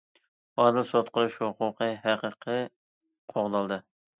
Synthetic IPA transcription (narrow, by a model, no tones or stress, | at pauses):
ɑːd̪ɪlsot̪qʰʊɾuʃhʊqʰʊqʰəɦæqəqʰɨ | qʰoʁd̪ɑlˠd̪ɨ